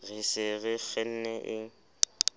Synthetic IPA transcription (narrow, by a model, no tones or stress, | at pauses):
ɣɪsɪɣɪfɛn̩nɛʔɪ